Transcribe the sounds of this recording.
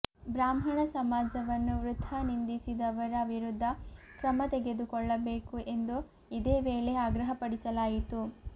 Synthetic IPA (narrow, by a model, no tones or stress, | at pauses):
bɾaːmɦɐɳɐsɐmaːd͡ʒɐʋɐnːuʋɾut̪ʰːɐnind̪isid̪ɐʋɐɾɐʋʱiɾud̪ʱːɐkɾɐmɐt̪eɡe̞d̪ukɔɭːɐbe̞ːkuʔe̞nd̪u | id̪eːʋe̞ːɭe̞aːɡɾɐɦɐpɐɽisɐlaːjit̪u